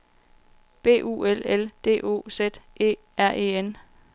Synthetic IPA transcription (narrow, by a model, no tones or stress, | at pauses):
b̥e̝̰ːʔṵːeleld̥e̝̰ːʔo̝̰ːsed̥ʔe̝̰ː | æɐ̰ʔe̝̰ːen